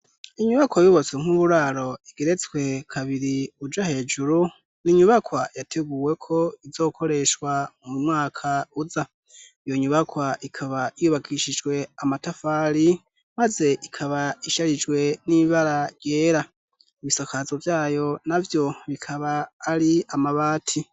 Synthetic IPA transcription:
iɲuβakwajuβot͡sweŋ̥uβuɾaːɾo̞iɡ̥eɾe̞t͡swe̞kʰaβiɾiud͡ʒahe̞ːd͡ʒuɾu | niɲuβakwajatʰeɡuːwe̞kʰo̞izo̞ːkʰo̞ɾe̞ʃwamuimŋwaːkʰauza | ijo̞ɲuβakwaʔikʰaβaijuβakʰiʃid͡ʒɡwe̞amatafaɾi | maze̞ʔikʰaβaiʃaɾid͡ʒɡwe̞niβaɾaɾje̞ːɾa | iβisakʰazovjaːjo̞navjo̞βikʰaβaːɾiamaβaːtʰi

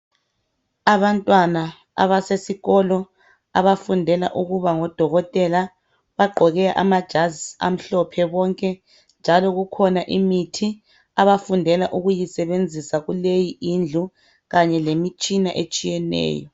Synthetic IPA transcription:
aβantʼwana | a̰βasesiɣɔlɔ | a̰βafundʱɛla̰ʔuɣuβaŋɔd̥ʱɔɣɔtʼɛla | βaɡ͡ǃʱɔɣɛaʔamad̥ʒ̥ʱazisa̰m̩ɬɔpʰɛβɔŋkʼɛ | nd͡ʒʱalɔɣukʰɔnaʔimitʰi | aβafundʱɛlaʔuɣujisɛβend͡zʱisaɣulejiʔind͡ɮʱu | ɣaɲɛlemit͡ʃʼina̰ʔet͡ʃʼijɛnɛ̰ːjɔ

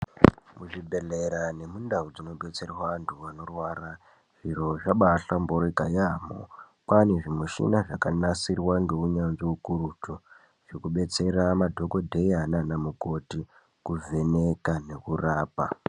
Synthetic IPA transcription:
muʐibʱe̞leɾane̞mundaud͡zino̞ɓe̞t͡se̞rwaantʰuʋano̞rwaːra | ʐ̥iɾo̞ʐaɓaɬamboɾikajamo̰ | kane̞ʐimuʃḭnaʐakanasirwaŋɡe̞uɲanʐiukuɾutʰo | ʐ̥ikuɓe̞t͡se̞ramadʱo̞ko̞dʱe̞jananamuko̞ti | kuvʱe̞ne̞kane̞kuraːpa

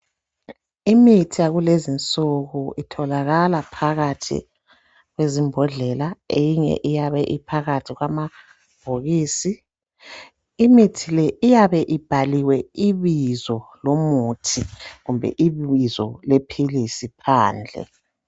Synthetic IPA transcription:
imitʰijaɣulezint͡sʼuɣuitʰɔlaɣalapʰaɣatʰḭ | ɣwezimbʱɔɮɛlaejiŋɛ̰ʔijaβɛʔipʰaɣatʰiɣwama | b̥ʱoɣiːsi | mitʰilɛʔijaβɛʔib̥ʱaliwɛiβizɔlomutʰiɣumbʱɛ̰ʔiβizɔlepʰilisipʰaːnd͡ɮʱɛ̰

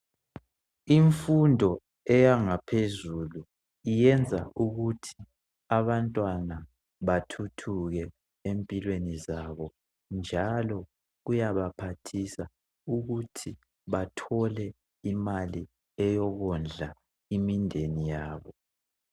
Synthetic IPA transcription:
iɱfundʱɔ | ɛjaŋapʰezulu | ijɛnd͡zʱa̰ʔuɣutʰi̥ | aβantʼwana | βatʰutʰuɣɛ | empʼilwenizaβɔ | nd͡ʒʱalɔ | ɣujaβapʰatʰisa | uɣutʰi | βatʰɔlɛ | imali | ɛjɔɣɔnd͡ɮʱa | imindʱenijaːβɔ

